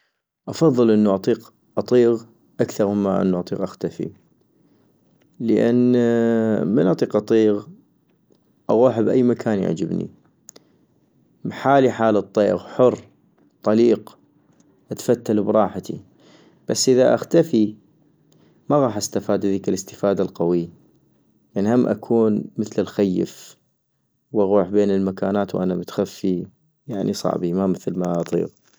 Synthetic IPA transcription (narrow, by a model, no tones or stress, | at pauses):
ʔɑfɑðˤːɨlʔənːuʔɑt̪ˤiːq | ʔɑt̪ˤiːɣ | ʔakθɑɾˤməmːaʔɪ̰nːuʔɑt̪ˤiːqʔaxt̪afḭ | ləʔan | mənʔɑt̪ˤiːqʔɑt̪ˤiːɣ | ʔɑɣuːħbʔajːmakʰaːnja̰ʕd͡ʒɪbnḭ | bħaːliħaːlɨt̪ˤːeːʔɣħʊrː | t̪ˤːɑliːq | ʔat̪fat̪ːalubɾˤɑːħat̪ʰḭ | b̥asːʔɪðaʔaxt̪afi | maɣɑːħʔast̪afaːd̪haðiːkalɪst̪ɪ̥faːd̪alqawi | jaʕnihamːʔa̰kʰuːnməθlɪlxajːə̰f | wʔaɣuːħbeːnɪlmakaːnaːt̪wʔanamʊt̪xafːi | jaʕnʔisˤɑ̰ʕbimamɪθlmaʔɑt̪ˤḭːɣ